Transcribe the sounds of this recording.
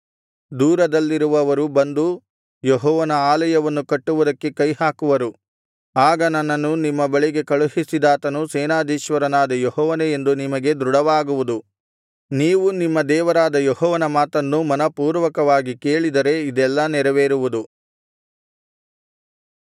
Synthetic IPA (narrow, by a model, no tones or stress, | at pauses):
d̪uːɾɐd̪ɐlːiɾuʋɐʋɐɾubɐnd̪u | jɔɦɔːʋɐnɐaːlɐjɐʋɐnːukɐʈːuʋud̪ɐkːe̞kɐjɦaːkuʋɐɾu | aːɡɐnɐnːɐnːunimːɐbɐɭiɡe̞kɐɭuɦisid̪aːt̪ɐnusɛːnaːd̪ʱiːʃʋɐɾɐnaːd̪ɐjɔɦɔːʋɐneend̪unimɐɡe̞d̪ɾuɽɐʋaːɡuʋud̪u | niːʋunimːɐd̪ɛːʋɐɾaːd̪ɐjɔɦɔːʋɐnɐmaːt̪ɐnːumɐnɐpuːɾʋɐkɐʋaːɡike̞ːɭid̪ɐɾe̞id̪ɛlːɐnɛɾɐʋeːɾuʋud̪u